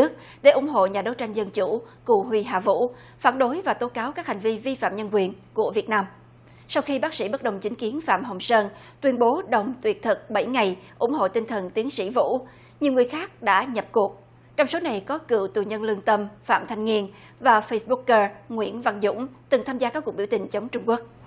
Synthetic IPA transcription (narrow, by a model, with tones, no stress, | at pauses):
ɨ˦˥ək̚ | ɗe˧˩ʔʊ˧˩ŋ͡mɦo̰˧˨ɲaː˨˩ɗo˨˦wt͡ɕa˧jŋ̟zə˧nt͡ɕu˧˩ku˨˩ɦwi˧ɦa̰ː˨˩vṵ˧˥ | faː˧˩nɗo˨˦jvaː˨˩t̪o˨˦kaː˨˦wkaː˦˥k̚ha˨˩ŋ̟vi˧vi˧fa̰ː˧˨mɲə˧nkwi˨˩ənku˧˩əvi˨˩ət̚naː˧m | sa˧wxi˧ɓaː˦˥k̚sḭ˧˥ɓə˦˥t̚ɗə˨˩wŋ͡mt͡ɕï˨˦ŋ̟ki˨˦ənfa̰ː˧˨mɦə˨˩wŋ͡msəː˧n | t̪wi˧ənɓo˨˦ɗə˨˩wŋ͡mt̪wi˨˩ət̚t̪ʰɨ˨˩k̚ɓə˧˩jŋa˨˩jʔʊ̰˧˩ŋ͡mɦo̰˧˨t̪i˧ŋt̪ʰə˨˩nt̪i˨˦əŋsḭ˧˥vṵ˧˥ | ɲi˨˩əŋɨ˨˩əjxaː˦˥k̚ɗa̰ː˧˥ɲə˨˩p̚ku˨˩ək̚ | t͡ɕɔ˧wŋ͡mso˨˦na˨˩jkɔ˨˦kɨ̰˧˨wt̪u˨˩ɲə˧nlɨ˧əŋt̪ə˧mfa̰ː˧˨mt̪ʰa˧jŋ̟ŋi˧ən | vaː˨˩fə˧sɓu˦˥kːəː˧ŋwḭ˧˥ənva˧˩nzʊ̰˧˥ŋ͡mt̪ɨ˨˩ŋt̪ʰaː˧mzaː˧kaː˦˥kːu˨˩k̚ɓi˧˩wt̪ï˨˩ŋ̟t͡ɕə˨˦wŋ͡mt͡ɕʊ˧ŋ͡mku˦˥ək̚